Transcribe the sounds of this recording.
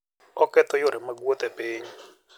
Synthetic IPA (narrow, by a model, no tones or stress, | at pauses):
ɔkɛt̪ɔjʊɾɛmaɡwot̪ɛpɪɲ